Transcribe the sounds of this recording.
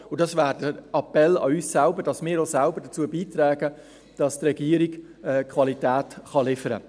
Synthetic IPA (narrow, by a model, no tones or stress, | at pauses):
ʊdɑsvæːɾdəɑpɛlɑ̰yːssælbəɾd̥ɑsmɪːɾosælbəɾd̥ət͡suːəbiːt̪ɾɛːɡə | d̥ɑstrɛɡiːəɾiɡ̥ | ɛkʰvɑlitæːtχɑlɪfəɾə̰